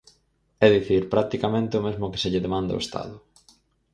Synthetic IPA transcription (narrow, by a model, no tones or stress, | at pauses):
ɛðiθiɾpɾak̚t̪ikamẽnt̪ɪʊmezmʊkɪ̥seʎɪðemãnd̪a̰ʊ̰est̪a̰ðʊ